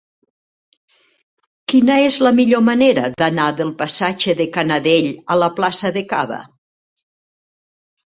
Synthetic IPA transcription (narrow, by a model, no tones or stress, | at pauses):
kinəezləmiʎomaneɾəðanaðəlˠpasad͡ʒəðəkanəðeʎələplasəðəka̰βə̰